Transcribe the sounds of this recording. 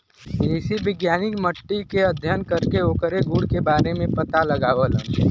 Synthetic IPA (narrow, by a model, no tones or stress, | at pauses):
eɪsibɪɡjaːnɪkməʈːikeəd̪ʱjənkəɾkeoːkəɾeɡuɽkebaːɾemẽpət̪alɐɡaːʋələ̃